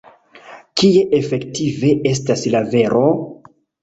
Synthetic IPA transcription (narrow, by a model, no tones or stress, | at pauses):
kije̞ʔefe̞ktive̞ʔe̞staslave̞ɾʔo